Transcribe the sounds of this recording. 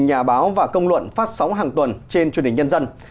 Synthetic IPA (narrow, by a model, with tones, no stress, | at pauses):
ɲaː˨˩ɓaː˨˦wvaː˨˩kə˧wŋ͡mlwə̰˧˨nfaː˦˥t̚sa˨˦wŋ͡mɦaː˨˩ŋt̪wə˨˩nt͡ɕe˧nt͡ɕnhï˨˩ŋ̟ɲə˧nzə˧n